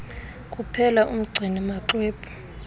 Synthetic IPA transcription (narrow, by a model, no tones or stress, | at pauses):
kʼupʰɛlaʔum̩ɡ͡ǀʱinimaǁweːpʰʼu̥